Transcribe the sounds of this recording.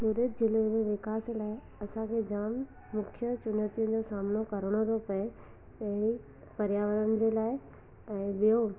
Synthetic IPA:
suːɾət̪̚d͡ʑɪlomẽʋɪkaːslaːɪ | ɐsãkʰed͡ʑaːmː | ʊkʰjət͡ɕʊnət̪ijʊ̃n̆d͡ʑosaːmnokɐɾəɽ̃oɾopɐe | ɐ̃ĩ | pɐɾjaːʋəɾənɪ̆d͡ʑeːlaːɪ | ɛ̃ːɓijo

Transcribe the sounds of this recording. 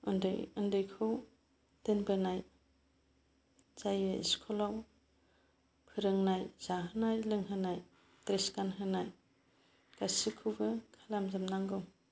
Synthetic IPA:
ɯndɯ̰jɯndɯjkʰɯw | tenbɯnaj | z̥ajɯḭskʰɔlaw | pʰɯɾɯŋnajz̥aɦɯnajlɯŋɦɯnaj | tɾeskanɦɯnaj | kasikʰuɡɯkʰalamzamnaŋɡɯm

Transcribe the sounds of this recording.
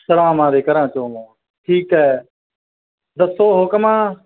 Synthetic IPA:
səɾãːmãːɾeːkəɾãːt͡ʃõː | ʈʰiːkɦɛː | d̪əsoːɦoːkəmãː

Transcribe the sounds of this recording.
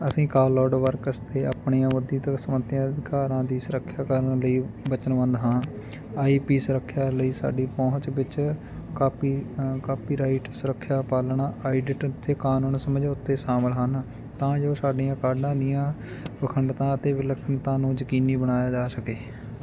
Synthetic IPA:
əsĩːkaːlɔːɖʋəɾkəst̪eːaːpɳiːãːʋəd̪ĩːt̪əksəmət̪ːjãːəd̪ɪkaːɾãːd̪iːsʊɾəkʰːjaːkəɾəɳləiːbət͡ʃənʋə̃nd̪ɦãː | aːiːpiːsɾəkʰːjaːləiːsa̰ːɖiːpɔ̃ːə̃t͡ʃbɪt͡ʃ | kaːpiːkaːpiːɾaːiʈsəɾəkʰːjaːpaːlɳaːʔaːiɖɪʈt̪ʰeːkaːnũːnsəməd͡ʒʊt̪ːeːsaːməlɦan | t̪ãːd͡ʒoːsaːɖiːãːkaːɾɖãːd̪ijãː | pəkʰəɳɖt̪ãːət̪eːʋɪləkʰəɳt̪ãːnũːd͡ʒəkiːniːbəɽaːjaːd͡ʒaːsəkeː

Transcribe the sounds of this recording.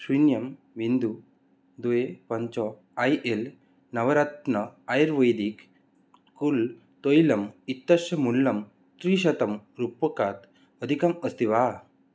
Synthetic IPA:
sunjɐm | ʋind̪u | d̪uepɐɲt͡ʃɔ | ɐjʔel | nɐʋɐɾat̪nɐajɾʋəjd̪ik | kul | t̪ojlɐmit̪ːɐʃɐmulːɐm | t̪ɾiːʃ̬ɐt̪ɐmɾupːɐkaːt̪ | əd̪ʱikaməst̪iʋa

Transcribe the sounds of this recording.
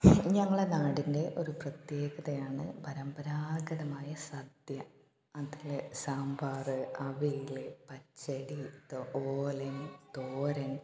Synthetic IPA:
ɲɐŋːɐɭenaːɽinde̞ʔo̞ɾuprɐt̪je̞ːɡɐðɐjaːɳɨpɐɾɐmbɐɾaːɡɐɽɐmaːjɐsɐd̪jɐ | ɐðilesaːmbaːrɨɐʋijilepɐt͡ɕːɐɽit̪oːlɐnt̪oːɾɐn

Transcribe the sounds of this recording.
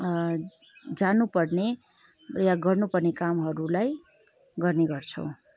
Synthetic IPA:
d͡zanupʌrne | jaɡʌrnupʌrnekamɦʌɾulaj | ɡʌrneɡʌrt͡sʰʌ̰w̃

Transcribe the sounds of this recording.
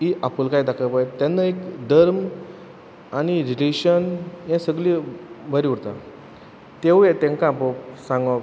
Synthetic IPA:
iʔapəlkajd̪akʰəpat̪janːaekd̪əɾm | añiɾileɕənjɛ̃səɡlibʱəɾiuɽt̪a | t̪ewjẽt̪ẽŋkãpəsãŋɡa

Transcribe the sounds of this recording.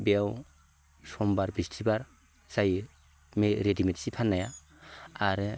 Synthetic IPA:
bɛw | sɔmbaɾbistʰibaɾ | saj | meɾedimɛtsipʰanːaja | aɾ

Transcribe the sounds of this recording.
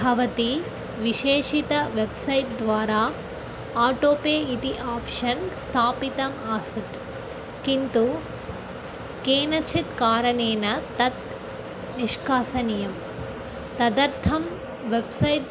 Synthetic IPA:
bʱɐʋɐt̪i | ʋiʃeːʂit̪ɐʋebsɐjʈ̚d̪ʋaːɾaː | aːʈoːpeːit̪iʔaːpʂɐnst̪ʰaːpit̪ɐmaːsɐt̪ | kint̪u | keːnɐt͡ʃʰit̪kaːɾɐɳeːnɐt̪ɐt̪ | niʃkaːsɐnijɐm | t̪ɐd̪ɐɾt̪ʰɐm | ʋebsɐjʈ

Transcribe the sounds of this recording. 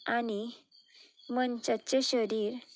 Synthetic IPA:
ani | mənt͡ɕat͡ɕeɕəɾiːɾ

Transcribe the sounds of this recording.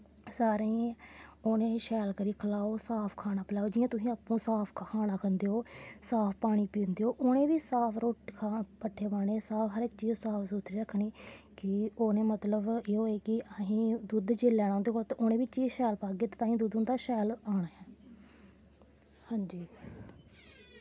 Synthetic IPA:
saːɾeiːoːnẽːʃɛːlkəɾiːkʰəlaːoːsaːpʰkʰaːnaːpʰəlaːoːd͡ʒɪːjãːt̪ʊsĩːaːpːũːsaːpʰkkʰaːnaːkʰənd̪eːɦoːsaːpʰpaːɽ̃iːpĩːnd̪eːɦoːʔoːnẽːʋiːsaːpʰɾoːʈkʰapəʈʰːeːbaːɽ̃eːsaːpɦəɾɪkt͡ʃiːzsaːpʰsuːt̪ʰɾiːɾəkʰːniːkɪoːnẽːmət̪ləbeːɦoːeːkɪʔəɦĩːd̪ud̪d͡ʒeːlːɛːɽ̃ãːnd̪eːkolt̪ːʔoːnẽːbiːt͡ʃiːzʃɛːlpaːɡeːt̪eːt̪ãːɦĩːd̪ud̪ʊnd̪aːʃɛːlaːɽaːɛː | hãːɲd͡ʒiː

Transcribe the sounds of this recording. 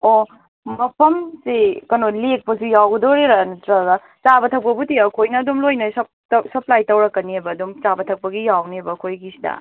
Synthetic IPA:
o | mɐpʰɐmsikɐnolek̚pɐsijawɡɐdoɾiɾɐnɐtɾɐɡɐ | t͡ʃabɐtʰɐk̚pɐbutiɐkʰojnɐːdumlojnɐsɐp̚tsɐplajtɐwɾɐkːɐniɐbɐːdumt͡ʃabɐtʰɐk̚pɐɡijawniebɐkʰojɡisi̥dɐ̰

